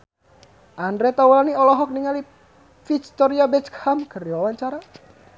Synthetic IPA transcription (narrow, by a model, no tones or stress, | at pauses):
ʔandɾɛt̪awlaniɔlɔɦɔk̚niŋali | fikt̪ɔɾiabɛt̪khamkəɾiwawaɲt͡ʃaɾa